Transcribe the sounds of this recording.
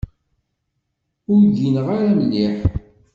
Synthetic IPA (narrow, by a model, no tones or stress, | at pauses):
ʊɾdinʁaɾæməlːiħ